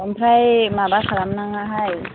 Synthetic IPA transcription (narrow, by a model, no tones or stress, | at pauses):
ompʰɾajmaːbakalamnaŋaɦaj